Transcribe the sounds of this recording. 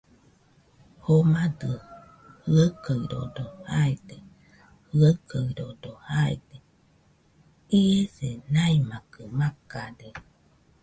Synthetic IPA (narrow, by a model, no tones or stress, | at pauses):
homadɯ | hɯəkəɯɾo̰dohaede | hɯəkəɾodohaḛd̪e | iesenaimakɯmakade